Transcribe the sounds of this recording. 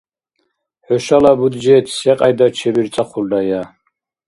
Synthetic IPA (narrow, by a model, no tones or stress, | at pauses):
ħɔʃalabud̪d͡ʒɛt̪ʰsɛqʼajd̪at͡ʃʰɛbiɾt͡sʼaχʰʷuldaja